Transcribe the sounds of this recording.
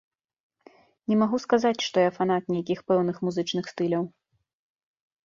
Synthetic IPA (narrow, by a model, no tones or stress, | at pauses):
nʲɛmaɣuskazat͡sʲʂt̪ɔjafanat̪̚nʲɛjakʲixpɛwn̪ɨxmuzɨt͡ʂnɨxst̪ɨlʲɐw